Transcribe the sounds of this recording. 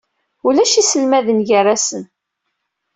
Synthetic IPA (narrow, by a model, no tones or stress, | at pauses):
ulæʃisəlmæðənʝəræsən